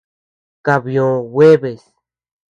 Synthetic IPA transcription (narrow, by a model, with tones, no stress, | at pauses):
ka˨βjõ˨we˦βe˨s